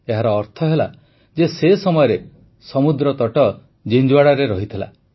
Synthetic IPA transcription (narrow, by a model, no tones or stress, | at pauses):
eɦaɾɔːɾt̪ʰɔɦela | d͡ʒesesɔmɔjɔɾe | sɔmud̪ɾɔt̪ɔʈɔ | d͡ʒiɲd͡ʒwaɽaɾeɾɔɦit̪ʰila̰